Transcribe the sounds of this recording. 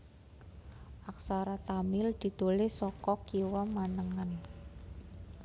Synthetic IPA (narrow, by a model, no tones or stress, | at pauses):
ʔaksaɾat̪amɪld̪̥i̤t̪ulɪhsɔkɔkiwamanəŋan